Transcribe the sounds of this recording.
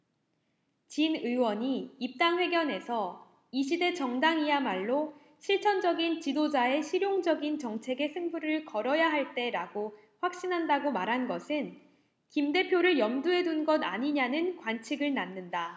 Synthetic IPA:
t͡ɕinɯwʌɲiːp̚t͈aŋɸwe̞ɡjʌne̞sʰʌ | iɕʰide̞t͡ɕʌŋdaŋiamaɭːo | ɕʰiɭt͡ɕʰʌnd͡ʑʌɡint͡ɕidod͡ʑae̞ɕʰiɾjoŋd͡ʑʌɡint͡ɕʌŋt͡ɕʰe̞ɡe̞sʰɯŋbuɾɯɭkʌɾʌjaɦaɭt͈e̞ɾaɡo | ɸwak̚ɕ͈inɦandaɡomaɾɦanɡʌsʰɯn | kimde̞pʰjoɾɯɭjʌmduɦe̞dunɡʌda̰ɲiɲanɯnkwant͡ɕʰiɡɯɭnanːɯnda

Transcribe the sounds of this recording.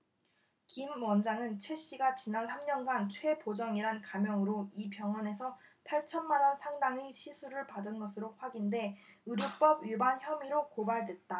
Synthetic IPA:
kimwʌnd͡ʑaŋɯnt͡ɕʰwe̞ɕ͈iɡat͡ɕinansʰamɲʌnɡant͡ɕʰwe̞pod͡ʑʌŋiɾankamjʌŋɯɾoipjʌŋɦwʌne̞sʰʌ | pʰaɭt͡ɕʰʌnmanʌnsʰaŋdaŋiɕʰisʰuɾɯɭpadɯnɡʌsʰɯɾoɸwaɡinde̞ | ɯɾjuk̚p͈ʌbɥibançjʌmiɾokobaɭdwe̞t̚t͈a

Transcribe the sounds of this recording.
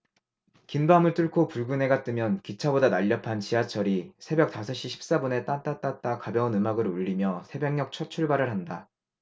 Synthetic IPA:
kinbamɯɭt͈ʰɯɭkʰopuɭɡunɦe̞ɡat̚t͈ɯmjʌnkit͡ɕʰabodanaʎːʌpʰant͡ɕiat͡ɕʰʌɾisʰe̞bjʌk̚t͈asʰʌɕ͈iɕʰi̥p̚s͈abune̞t͈ant͈at͈at̚t͈akabjʌunɯmaɡɯɾuʎːimjʌsʰe̞beŋɲʌk̚t͡ɕʰʌt͡ɕʰuɭbaɾɯɭɦanda

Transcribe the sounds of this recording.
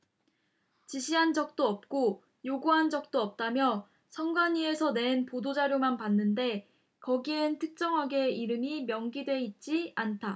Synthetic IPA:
t͡ɕiɕʰiɦand͡ʑʌk̚t͈oʌp̚k͈o | joɡuɦand͡ʑʌk̚t͈oʌp̚t͈amjʌ | sʰʌŋɡwaɲie̞sʰʌne̞npodod͡ʑaɾjomanpanːɯnde̞ | kʌɡientʰɯk̚t͡ɕ͈ʌŋɦaɡe̞iɾɯmimjʌŋɡidwe̞it̚t͡ɕ͈iantʰa

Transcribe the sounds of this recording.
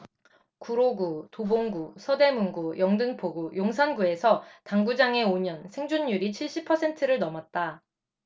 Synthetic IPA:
kuɾoɡutoboŋɡusʰʌde̞munɡujʌŋdɯŋpʰoɡujoŋsʰanɡue̞sʰʌtaŋɡud͡ʑaŋe̞oɲʌnsʰe̞ŋd͡ʑuɲːuɾit͡ɕʰiɭɕ͈ipʰʌsʰe̞ntʰɯɾɯɭnʌmʌt̚t͈a

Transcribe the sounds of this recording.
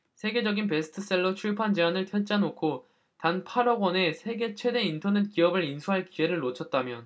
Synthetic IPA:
sʰe̞ɡe̞d͡ʑʌɡinp̬e̞sʰɯ̥tʰɯs͈eɭːot͡ɕʰuɭpʰand͡ʑeanɯɭtʰjʌt͡ɕ͈anokʰo | tanpʰaɾʌɡʌne̞sʰe̞ɡe̞t͡ɕʰwe̞de̞intʰʌne̞t̚k͈iʌbɯɾinsʰuɦaɭkie̞ɾɯɭːot͡ɕʰʌt̚t͈amjʌn

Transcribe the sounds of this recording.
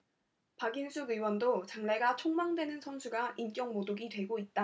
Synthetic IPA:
paɡinsʰuɡɯwʌndot͡ɕaŋne̞ɡat͡ɕʰoŋmaŋdwe̞nɯnsʰʌnsʰuɡaʔink͈jʌŋmodoɡidwe̞ɡoit̚t͈a

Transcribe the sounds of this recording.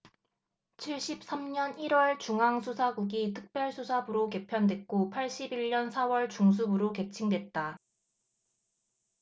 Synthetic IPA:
t͡ɕʰiɭɕ͈ip̚s͈amɲʌniɾwʌɭt͡ɕuŋɦaŋsʰusʰaɡuɡitʰɯ̥k̚p͈jʌɭsʰusʰabɯɾoke̞pʰjʌndwe̞k͈opʰaɭɕ͈ibiɭɲʌnsʰawʌɭt͡ɕuŋsʰubɯɾoke̞t͡ɕʰiŋdwe̞t̚t͈a

